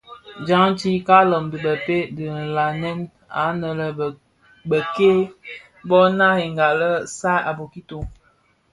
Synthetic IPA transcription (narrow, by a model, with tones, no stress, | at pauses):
d͡ʒa˦ŋ˦ti˦ka˦lɔ˨mbi˨bə˨pe˦di˨la˨nɛ˦n | a̰˨˦nə˨lə˨ | bə˨ke˦ | bɔ˦na˦he˨ŋɡa˨lə˦sa˦a˨bo˨ki˦to˨